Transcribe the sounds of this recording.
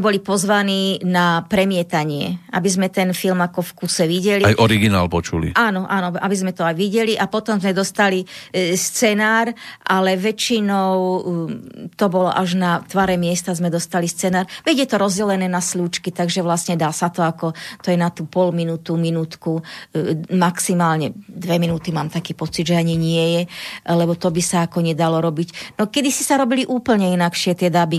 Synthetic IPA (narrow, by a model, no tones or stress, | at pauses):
ɛbɔlipɔzʋaniːnapɾɛmɪɛt̪aɲɪɛ̰ʔa̰bizmɛt̪ɛnfilmakɔfkusɛʋiɟɛliajɔɾiɡina̰ːlpɔt͡ʃṵlḭʔaːnɔʔanɔa̰bizmɛt̪ɔajʋiɟɛliʔapɔt̪ɔmzmɛd̪ɔst̪alist͡sɛnaːɾʔalɛʋɛt͡ʃinɔʊ | t̪ɔbɔlɔ̰ʔaʒnat̪ʋaɾɛmɪɛst̪azmɛd̪ɔst̪alist͡sɛnaːɾʋɛɟjɛt̪ɔɾɔzɟɛlɛnɛːnasluːt͡ʃkit̪aɡʒɛʋlasɲɛd̪aːsat̪ɔakɔt̪ɔjɛnat̪uːpɔlminuːt̪uminuːt̪ku | maksimaːlɲɛd̪ʋɛminuːt̪imaːmt̪akiːpɔt͡sid̪ʒɛaɲiɲɪɛjɛlɛbɔt̪ɔbisaakɔɲɛd̪alɔɾɔbicnɔkɛd̪isisaɾɔbiliʔuːpl̩ɲɛinakʃɪɛt̪ɪɛd̪abi